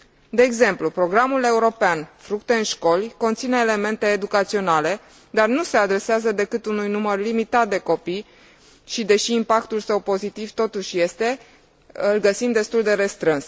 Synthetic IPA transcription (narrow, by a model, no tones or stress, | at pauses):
d̪e̞ːɡze̞mplupɾo̞ɡɾamule̞uɾo̞peanfɾukt̪e̞ɨnʃko̞lʲko̞nt̪sine̞ːle̞me̞nt̪e̞ːd̪ukat̪sio̞nale̞ | d̪arnuse̞ad̪ɾe̞seazəd̪e̞kɨt̪unujnumərlimit̪at̪̚d̪e̞ko̞pij | ʃid̪e̞ʃiːmpakt̪ulsəwpo̞zit̪iv̥t̪o̞t̪uʃje̞st̪e̞ | ɨlɡəsimd̪e̞st̪uld̪e̞ɾe̞st̪ɾɨns